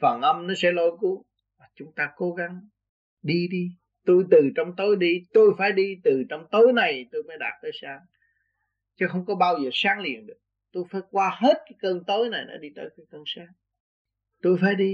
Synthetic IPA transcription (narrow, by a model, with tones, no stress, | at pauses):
fə˨˩nʔə˧mnɔ˨˦sɛ̰˧˥lo˧˦jku˧˦ | vaː˨˩t͡ɕʊ˨˦ŋ͡mt̪aː˧ko˨˦ɣa˨˦ŋ | ɗi˧ɗi˧ | t̪u˧jt̪ɨ˨˩t͡ɕɔ˧wŋ͡mt̪o˨˦jɗi˧t̪o˧jfaː˧˩jɗi˧t̪ɨ˨˩t͡ɕɔ˧wŋ͡mt̪o˨˦jna˨˩jt̪o˧jməː˨˦jɗaː˨˩t̚t̪əː˨˦jsaː˨˦ŋ | t͡ɕɔ˨˦xə˧wŋ͡mkɔ˨˦ɓaː˧wzəː˨˩saː˨˦ŋlḭ˨˩˨ənɗɨ˨˩ək̚ | t̪o˧jfaː˧˩jkwaː˧he˦˥t̚kaː˨˦jkəː˧nt̪o˨˦jna˨˩jnɔ̰˨˦ɗi˧t̪əː˨˦jkaː˨˦jkəː˧nsaː˨˦ŋ | t̪u˧jfaː˧˩jɗi˧